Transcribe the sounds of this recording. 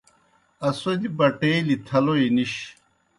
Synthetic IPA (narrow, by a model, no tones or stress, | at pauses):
ɐsod̪ibɐʈeːlit̪ʰɐloiniɕ